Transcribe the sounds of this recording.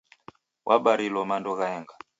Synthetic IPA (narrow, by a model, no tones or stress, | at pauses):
wʔaɓaɾilɔmandɔɣaɛŋɡa